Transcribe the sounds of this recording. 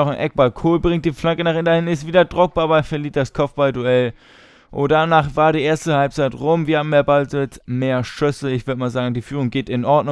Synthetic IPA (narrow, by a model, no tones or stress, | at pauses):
ɔχnʔɛk̚b̥alkʰoːlbʁɪŋt̚d̥iːflaŋkənaːχʔɪntɐhɪnɪstv̥iːdɐdʁʊk̚b̥aːɐbaɪfɛɐliːt̚d̥askʰɔp͡fb̥alduɛl | ʔʊdanaːχv̥aːɐɾiːʔeːɐstəhalp̚t͡saɪtʁʊmviɐhaːbm̩meːɐbalzɪɛt͡smeːɐʃʏsl̩ɪçv̥ʏɐdəmaːlzaːɡŋ̩diːfyːʁʊŋɡeːtɪnʔɔɐdnʊ